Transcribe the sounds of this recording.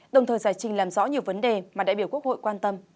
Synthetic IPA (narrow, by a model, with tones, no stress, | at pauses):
ɗə˨˩wŋ͡mt̪ʰəː˨˩jzaː˧˩jt͡ɕï˨˩ŋlaː˨˩mzɔ̰˧˥ɲi˨˩əwvə˨˦nɗe˨˩maː˨˩ɗa̰ː˧˥ɓi˧˩əku˦˥ək̚ho̰˧˨jkwaː˧nt̪ə˧m